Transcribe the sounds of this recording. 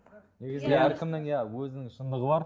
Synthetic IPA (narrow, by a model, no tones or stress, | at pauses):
ne̞ɡʲɪzɪeæɾkʲɪmnɪŋjɑwɵzɪnɪŋʃənd̪əʁəb̪ɑɾ